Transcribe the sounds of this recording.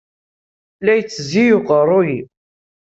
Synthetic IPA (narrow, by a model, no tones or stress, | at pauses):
læjt͡sːəzijʊqərˤːoji